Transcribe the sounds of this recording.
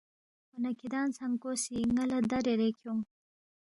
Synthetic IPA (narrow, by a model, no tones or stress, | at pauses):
xonakid̪ɑnt͡saŋkosiŋalad̪aɾeɾekʰjom